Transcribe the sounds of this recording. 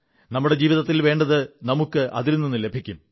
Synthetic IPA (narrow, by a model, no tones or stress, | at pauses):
nɐmːuɽe̞d͡ʑiːʋiðɐt̪ːilʋe̞ːɳɖɐðɨnɐmukːɨʔɐ̰ðilnːenːɨle̞bʱikʲːum